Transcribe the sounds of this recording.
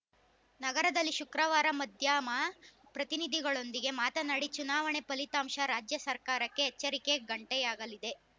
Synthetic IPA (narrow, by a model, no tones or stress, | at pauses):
nɐɡɐɾɐd̪ɐlːiʃukɾɐʋaːɾɐmɐd̪ʱjaːmɐ | pɾɐt̪inid̪ʱiɡɐɭo̞nd̪iɡe̞maːt̪ɐnɐɽit͡ʃunaːʋɐɳe̞pɐlit̪aːmʃɐɾaːd͡ʒjɐsɐɾkaːɾɐkːeɦːt͡ʃːɐɾike̞ɡɐɳʈɛjaːɡɐlid̪e̞